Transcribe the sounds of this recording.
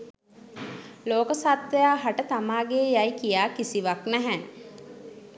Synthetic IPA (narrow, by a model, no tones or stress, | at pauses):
loːkəsat̪ʋejaːɦaʈət̪amaːɡeːjajkijaːkisiʋaknæɦæ